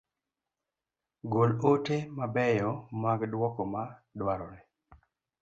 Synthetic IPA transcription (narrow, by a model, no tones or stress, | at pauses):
ɡolotemabɛjɔmaɡdwɔkɔmadwaɾɔnɛ